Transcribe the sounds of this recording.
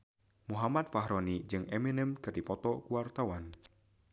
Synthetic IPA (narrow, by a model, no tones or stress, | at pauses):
muɦamat̪̚faɦɾɔnid͡ʒɨŋɛminəmkɨrdipɔt̪ɔkuwart̪awan